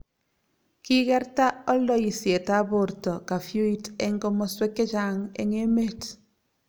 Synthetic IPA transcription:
ki˦kɛ˦ɾta˦ɔ˦ldɔ˨i˨sje˨ta˦bo˨ɾtɔ˨ka˨fju˦i˦tɛ˦ŋɡɔ˦mɔ˦swe˦kːe˦t͡ʃa˦ŋḛ˦ŋe˦me˦t

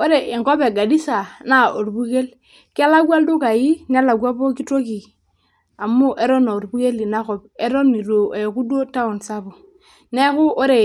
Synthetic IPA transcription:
o˦ɾe˨i˨ŋkɔ˦be˨ɡa˨di˦sa˨na˦o˨ɾbu˦ke˦l | ki˦a˦la˦ɡwa˦ldu˦ka˨ji˦n˦a˦la˨ɡa˦po˦ki˦to˦ki˨ | a˨mu˦ʔe˦ɾɔ˦no˨ɾbu˦ke˦li˨na˦kɔ˨be˦ɾo˦ni˨ɾo˨e˨ku˦do˦ta˦u˨nsa˦bu˨ | ne˦kʊ˦ʔo˦ɾe˨

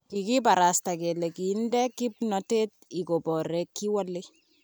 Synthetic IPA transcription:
ki˨ki˦pa˨ɾa˨sta˨ke˨le˨ki˨ndɛ˦kːi˦pnɔ˦te˦ti˨ko˨bɔ˨ɾe˨kːi˦wa˦le˦

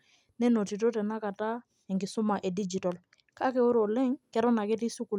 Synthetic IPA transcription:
nɛ˦nɔ˨ti˨tɔ˦tɛ˨na˦ka˨ta˦ | ɛ˨ŋɡɪ˨sʊ˦ma˨ʔɛ˨di˦d͡ʒi˨tɔ˨l | ka˦kɛ˨o˦ɾɔ˨lɛ˦ŋkɛ˦ɾɔ˦na˨kɛ˦ti˦su˦ku˨

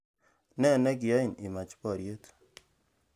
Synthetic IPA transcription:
nɛ˦˨nɛ˦k̬i˨ja˦i˨ni˨ma˨t͡ʃpɔ˦˨ɾje˦t

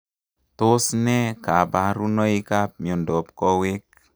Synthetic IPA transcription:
to˦snɛ˦ka˨ba˨ɾu˦nɔ˦i˦ka˦p̚m˨o˨ndɔ˨pkɔ˦we˦k̚

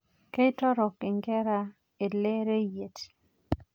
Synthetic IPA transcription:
ke˦ɪ˦tɔ˦ɾɔ˨kɪ˨ŋɡɛ˦ɾa˦ | e˨le˦ɾe˦je˨t

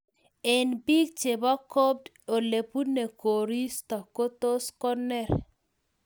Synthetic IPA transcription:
e˨nbi˦ɡ̚t͡ʃe˨bɔ˦ko˦b̚d | o˨le˨pu˦ne˨ko˨ɾi˦st̪ɔ˨ko˦t̪o˦skɔ˦nɛ˦˨ɾ

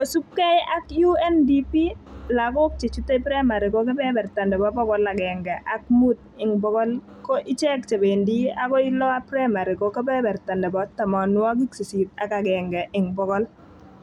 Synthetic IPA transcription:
o˨su˦kkːɛ˦ja˦kju˦ɛ˦ndi˦pi˦la˨kʊ˦k̚t͡ʃe˨t͡ʃu˦te˦pɾa˦ma˨ɾi˨ko˦k̬ɛ˦bɛ˦bɛ˨rta˨ndɛ˨bɔ˦bɔ˦kɔ˦la˨ɡɛ˨ŋɡɛ˨ʔa˨˦k̚mu˦t̚ | ɪ˨ŋbɔ˦kɔ˦l | kɔ˦ʔɪ˦t͡ʃɛ˦k̚t͡ʃe˨be˨ndi˦a˦kɔ˦ɪ˦lɔ˦a˦pɾa˦ma˨ɾi˨kɔ˨˦ke˦bɛ˦bɛ˨rta˨ndɛ˨bɔ˨˦ta˨mɔ˨nwɔ˦k̬i˦kse˨si˨ta̰˨ka˨ɡɛ˨ŋɡɛ˨ʔɪ˨ŋbɔ˨ɡɔ˦l

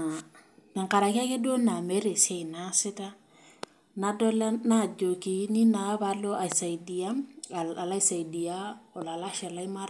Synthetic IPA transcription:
nɪ˨ŋka˨ɾa˨ka˦ke˦do˦na˨me˨˦ɾe˨se˨i˨na˦sɪ˦ta˦ | na˦dɔ˦la˦na˦˨d͡ʒo˨ki˨ni˦na˨˦βa˦lo˦ʔa˨i˨sa˨idi˨a˦˨a˨la˦i˦sa˨i˨di˨a˦ɔ˨la˨la˦ʃɛ˨la˦i˦ma˦ɾ

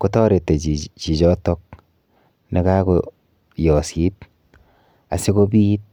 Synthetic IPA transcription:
ko˨˦tɔ˦ɾe˨tːe˨t͡ʃi˨t͡ʃɔ˦tɔ˦k̚ | ni˨ka˦ko | jɔ˨si˦t | a̰˨si˦ko˦bi˦t̚

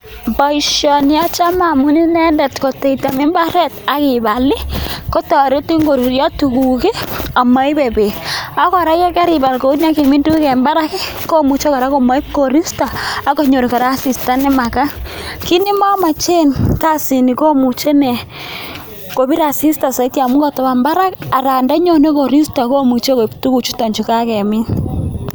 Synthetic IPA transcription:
ba˨i˨ʃjɔ˨nja˦t͡ʃa˦ma˨mu˦ni˦nɛ˦ndɛ˨tko˨te˨ita˨mɪ˦mba˦ɾɛ˦ta˨˦kɪ˨ba˨lɪ˦ko˦tɔ˨ɾe˦ti˦ŋɡo˨ɾu˨ɾja˦tu˨ku˨ki˦a˨ma˦ɪ˦be˨be˨a˦kɔ˨ɾa˦ja˦kɛ˦ɾi˨ba˨lko˨˦nja˦ke˨mɪ˦ndu˦kɛ˨mba˦ɾa˦kɪ˦ko˦mu˨t͡ʃɔ˦ka˨ɾa˦ko˨ma˦i˦ko˨ɾi˦staː˨˦ko˨ɲo˨ɾi˨ka˨ɾa˦si˨sta˦nɛ˦ma˨ka˦ki˦ni˦ma˦ma˨t͡ʃe˦nka˦si˨ni˨ko˦mu˨t͡ʃe˦ne˨ | ko˨bi˦ɾa˨si˦sta˨sa˨i˦tja˨mu˦ɡa˦˨tɔ˨ba˨mba˦ɾa˦ka˨ɾa˨nda˦ɲo˦ne˦ko˨ɾi˦sta˨ko˦mu˨t͡ʃo˦ko˨ptu˦ku˨t͡ʃu˦ta˨ɲt͡ʃu˨ka˦kɛ˨mɪ˦n

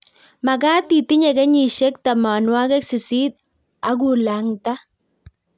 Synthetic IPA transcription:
ma˨ɡaː˦ti˨ti˦ɲe˨ɡɛ˦ɲi˨ʃɛ˦k̚ta˨ma˨nwa˦kɛ˦ksɪ˨si˦t̚ | a˦ɡu˨la˨ŋta˦

